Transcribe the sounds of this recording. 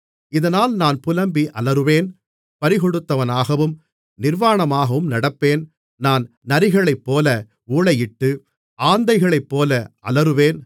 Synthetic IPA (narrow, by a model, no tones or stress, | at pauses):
ɪðɐnaːlnaːnpʊlɐmbiʔɐlɐɾɯʋeːn | pɐɾɪɣɔɽɯt̪ːɐʋɐnaːɣɐʋɯm | nɪɾʋaːɳɐmaːɣɐʋɯmnɐɽɐpːeːn | naːn | nɐɾɪɣɐɭɐɪpːoːlɐ | uːɭɐjɪʈːɯ | ʔaːnd̪ɐɪɣɐɭɐɪpːoːlɐʔɐ̰lɐɾɯʋeːn